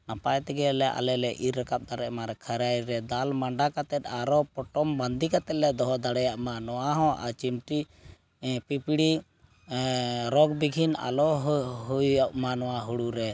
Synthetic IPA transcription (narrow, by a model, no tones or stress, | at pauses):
napajt̪ɛɡɛlɛʔa̰lɛlɛʔiɾːakap̚d̪aɽɛʔmaɾɛkʰəɾajɾɛd̪almaɳɖakat̪ɛt̪̚aɾɔpɔʈɔmband̪ikat̪ɛlɛd̪ɔɦɔd̪aɽɛjaʔmanɔwaɦɔ̃ʔa̰t͡ʃimʈi | pipiɽi | ɾɔɡbiɡʱina̰lɔɦɦujaʔmanɔwaɦuɽuɾɛ